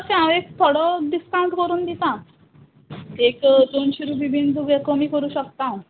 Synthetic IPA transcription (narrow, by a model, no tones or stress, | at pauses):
sẽaʋekt̪ʰoɽɔɖ̪iskãw̃ɳʈkəɾuːnd̪it̪ã | ekd̪oɳɕiɾubʱibʱind̪ʱuɡekəmiːkəɾuːɕəkt̪ã